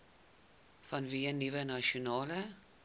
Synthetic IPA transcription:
fɐnviːənːivənaʃonɑːlə

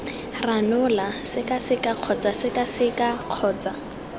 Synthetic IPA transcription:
ranʊlasɪkasɪkaq͡χʰɔt͡sasɪkasɪkaq͡χʰɔːt͡sa

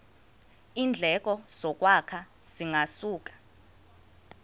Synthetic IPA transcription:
iːnd͡ɮʱɛk̬ʼɔz̥ɔk̬ʼwakʰaz̥iŋasuːk̬ḁ

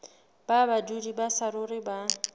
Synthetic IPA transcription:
b̥abadudibasaɾʊrɪba

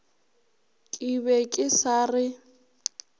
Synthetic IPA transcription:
kʼiβɛkʼɪsaːrɪ

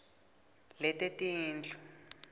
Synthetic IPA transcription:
lɛtetiːnd͡ɮɔ̥

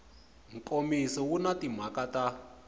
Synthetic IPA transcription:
ŋ̩kʼomisɔwunatim̤akata

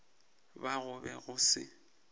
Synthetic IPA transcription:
baɣʊbɛɣʊsɪ̰

